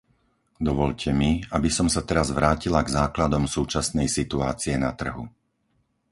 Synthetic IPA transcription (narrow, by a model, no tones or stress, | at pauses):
d̪ɔʋɔʎcʰɛmiabisɔmsat̪ɛɾazʋɾaːcilaɡzaːklad̪ɔmsuːt͡ʃasnɛjsit̪ua̰ːt͡siɛnat̪r̩ɦṵ